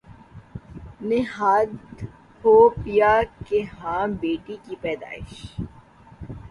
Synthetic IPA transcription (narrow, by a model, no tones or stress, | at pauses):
nɪɦaːd̪ | hoːpijakeɦãːmbeːʈikipɛːd̪a̰ːɪ̰ʃ